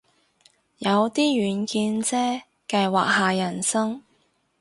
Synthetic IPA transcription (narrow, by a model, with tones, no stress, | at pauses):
jɐ˨˧wt̪iː˥jyː˨˧nkiː˧nt͡sɛː˥ | kɐ˧jwaː˨k̚haː˨jɐ˨˩nsɐ˥ŋ